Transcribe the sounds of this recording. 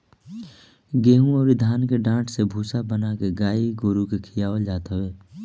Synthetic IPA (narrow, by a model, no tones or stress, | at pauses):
ɡeːɦũɔːɾid̪ʱaːnkeɖãːʈʰsebʱuːsabənakeɡaːiɡoːɾukekʰɪjaːod͡ʒaːt̪ɦəʋeː